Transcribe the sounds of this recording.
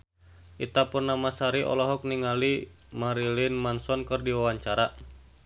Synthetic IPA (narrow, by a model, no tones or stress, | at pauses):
ʔit̪apʊnːamasaɾiʔɔ̰lɔɦɔk̚niŋali | maɾilinmansɔnkɨrdiwawaɲt͡ʃaɾa